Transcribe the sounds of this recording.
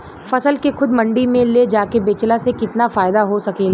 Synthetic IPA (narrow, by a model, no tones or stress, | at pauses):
fɐsəlkexʊd̪mɐ̃ɳɖimẽled͡ʒaːkebeːt͡ʃlasekɪt̪nafaːɪd̪aɦosɐke